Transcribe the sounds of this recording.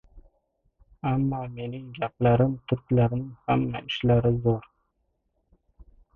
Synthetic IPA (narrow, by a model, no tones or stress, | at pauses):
amːɑːme̞nɪŋɡʲaplaɾɪmt̪ʰʊɾkʲlaɾɪmhamːaɪʃlaɾɪzoɾ